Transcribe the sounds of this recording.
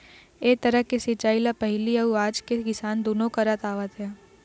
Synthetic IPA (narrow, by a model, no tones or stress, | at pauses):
eːk̚t̪ɐɾəɦkesɪt͡ʃaːilapɐɦliɐuaːd͡ʒkekɪsaːnd̪oːnõkɐɾət̪aːʋət̪ɦɛː